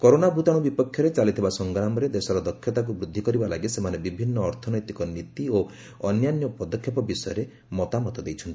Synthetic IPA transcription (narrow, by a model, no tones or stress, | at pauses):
kɔɾonabʱut̪ãubipɔkʰːjɔɾet͡ʃalit̪ʰibasɔŋɡɾamɔɾed̪esɔɾɔd̪ɔkʰːjɔt̪ak̬ubɾud̪ʱːikɔɾibalaɡisemanebibʱinːɔːɾt̪ʰɔnɔjt̪ikɔnit̪io | ɔnjanjɔpɔd̪ɔkʰːjɔpɔbisɔjɔɾe | mɔt̪amɔt̪ɔd̪ejt͡ʃʰɔnt̪i̥